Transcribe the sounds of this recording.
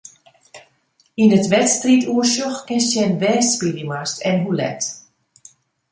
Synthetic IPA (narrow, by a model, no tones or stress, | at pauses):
indətʋɛtstrituəsɔxkɪnsjɛnʋɛːspidimastʰɛnɦulɛ̰t